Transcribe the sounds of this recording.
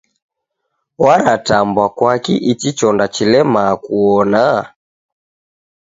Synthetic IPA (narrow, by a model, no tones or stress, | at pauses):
waɾatambwakwakiʔit͡ʃit͡ʃɔndat͡ʃilɛmakuɔna